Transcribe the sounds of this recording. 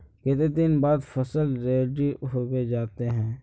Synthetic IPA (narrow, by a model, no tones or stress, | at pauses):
ket̪ed̪ɪnbaːd̪fəsəlɾeːɖiɦoːɡed͡ʒaːt̪eɦɛ̃ː